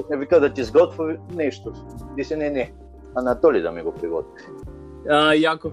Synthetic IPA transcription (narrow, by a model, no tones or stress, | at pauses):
oknɛvikad̪at̪izɡɔt̪vuvinɛʃt̪od̪isɛnɛnɛ | anat̪ɔlid̪a̰miɡopɾiɡɔt̪vi | əjako